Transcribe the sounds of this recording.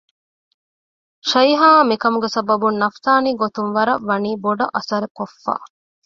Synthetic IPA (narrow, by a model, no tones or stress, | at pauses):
ʃɐjɦaːmikɐmuɡesɐbɐbunːɐft̪aːniːɡot̪unʋɐɾɐʋɐniːboɖɐʔɐsɐɾekofːa̰ː